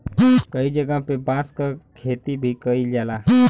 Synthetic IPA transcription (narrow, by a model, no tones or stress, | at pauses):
kəid͡ʒəɡapebãskəkʰet̪ibʱikəid͡ʒala